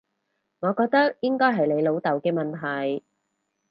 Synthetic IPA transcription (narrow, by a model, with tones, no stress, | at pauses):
ŋɔː˨˧kɔː˧k̚t̪ɐ˥k̚jɪ˥ŋkɔː˥jɦɐ˨jle˨˧jlo˨˧wt̪ɐ˨˩wkɛː˧mɐ˨nt̪ʰɐ˨˩j